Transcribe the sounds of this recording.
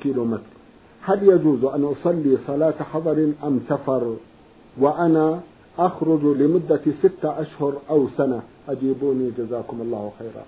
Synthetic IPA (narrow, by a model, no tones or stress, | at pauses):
kiːlomɪt̪ɾˤ | haljad͡ʒuːzʔanʔɑsˤɑlːisˤɑlɑːt̪ħɑðˤɑɾˤʔamsafɑɾˤ | wɪʔana | ʔaxɾʊd͡ʒlɪmʊd̪ːasɪt̪ːaʔaʃhʊɾˤʔawsanaʔad͡ʒiːbuːnid͡ʒazaːkʊmʔɑlˤːɑːhwaxaːɾˤɑ̰